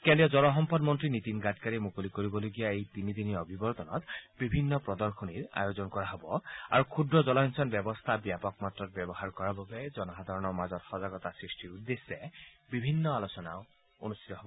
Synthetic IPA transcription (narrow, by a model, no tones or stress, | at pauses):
kɛndiɔzɔlɔɦɔmpɔdmɔntɹinit̪inɡatkaɹimukolikoɹibɔloɡijaejt̪inid̪iniɔbʱibɔɹt̪ɔnɔ̰t̪bibʱinːɔpɹɔd̪ɔɹxʰɔniɹa̰jozɔnkɔɹaɦɔbɔa̰ɹukʰudɹɔzɔlajnsɔnbjɛbɔst̪ʰabijapɔkmatɹɔt̚bjɔbɔɦaɹkɔɹababɛzɔnɔɦad̪ʱaɹɔnɔɹmazɔtxɔzaɡɔt̪asɹistiɹud̪ːesːɛ | bibʱinːɔalosɔna̰ʊ | onust̪it̪ɔɦɔbɔ